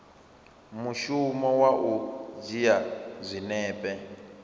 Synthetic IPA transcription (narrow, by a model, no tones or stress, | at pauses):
muʃumɔwaʔud͡ʒijazʷinɛːpʼɛ